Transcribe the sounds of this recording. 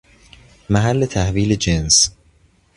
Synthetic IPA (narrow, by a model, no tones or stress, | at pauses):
mæɦælːe̞t̪ʰæhviːled͡ʒens